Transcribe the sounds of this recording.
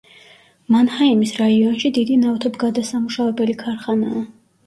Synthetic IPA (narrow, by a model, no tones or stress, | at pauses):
manhaimisɾaiɔnʃid̪id̪inaft̪ʰɔbɡad̪asamuʃavɛbɛlikʰaɾχanaː